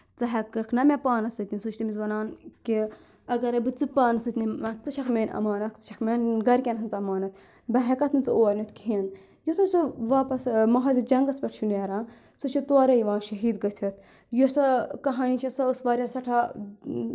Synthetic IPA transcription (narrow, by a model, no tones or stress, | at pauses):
t͡sɐɦɐkːɐkʰnɐmʲepaːnɐsɐt̪ʲninsut͡ʃʰt̪imizʋɐnaːnki | ɐɡɐɾɐbɨt͡sɨpaːnɐsɐt̪ʲniɐt͡sɨʃʰɐkmeːnɐ̰maːnɐkt͡sɨ̥ʃʰɐkmeːnɡɐɾkʲenɦɐnzɐmaːnɐt̪ | bɐɦɐkɐt̪nɨt͡sɨoːɐɾnit̪kʰin | jut̪ʰusuʋaːpɐsmɐɦɐzid͡ʒɐŋɡɐspʲɐʈʰʃʰuneːɾaː | sɨt͡ʃʰit̪oaːɾɐjiʋãːnʃɐɦiːd̪ɡɐsʰʲɐt̪̚ʰ | josɐkɐɦaːnit͡ʃʰɐsɐəsʋaːɾʲɐsɐʈʰa